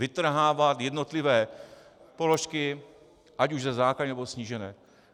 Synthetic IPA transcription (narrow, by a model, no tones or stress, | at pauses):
vɪt̪r̩ɦaːvat̪jɛd̪not̪lɪvɛː | poloʃkɪ | ʔacuʒzɛzaːklaɲnɛbosɲiːʒɛnɛː